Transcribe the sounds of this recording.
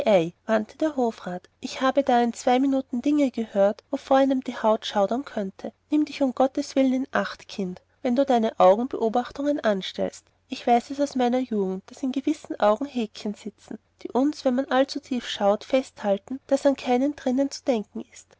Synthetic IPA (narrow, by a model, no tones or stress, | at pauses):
ʔɛɪvantʰəd̥eːɐɦoːfʁaːtʔɪçhaːbədaːɪnt͡sv̥aɪminuːtn̩dɪŋəɡ̥əhøːɐtvoːfoːɐaləmd̥iːhaʊtʃaʊdɐnkʰœntʰənɪmdɪçʊmɡ̥ɔtəsv̥ɪlənɪnʔaχtkʰɪnt | vɛnduːdaɪnəʔaʊɡŋ̩bəʔoːbaχtʊŋənʔanʃtɛ̰lst | ʔɪçv̥aɪsɛsaʊsmaɪnɐjuːɡŋ̩t̚d̥asɪnɡəvɪsn̩ʔaʊɡŋ̩ɦeːkçənz̥ɪt͡sn̩ | d̥ḭːʔʊnsv̥ɛnmanʔalt͡sutʰiːfʃaʊtfɛsthaltn̩d̥asankʰaɪnəndʁɪnənt͡su̥d̥ɛŋkŋ̩ɪst